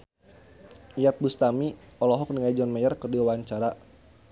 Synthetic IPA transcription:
ijat̪̚bust̪amiɔlɔɦɔk̚niŋajd͡ʒɔnmajərkərdiawaɲt͡ʃaɾa

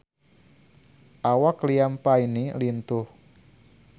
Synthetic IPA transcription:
ʔawakliampainilint̪ʊh

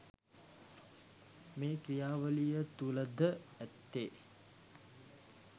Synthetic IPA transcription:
meːkɾijaːʋəlijət̪uləd̪əæt̪ːeː

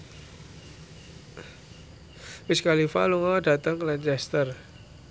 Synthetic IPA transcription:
miskalifaluŋada̤t̪əŋklant͡ʃɛst̪ər

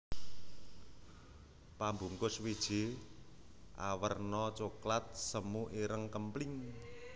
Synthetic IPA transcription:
pambuŋkʊswid̥ʒ̥i̤ | ʔa̰wərnɔt͡ʃoklat̪̚səmuʔiɾəŋkəmplɪŋ

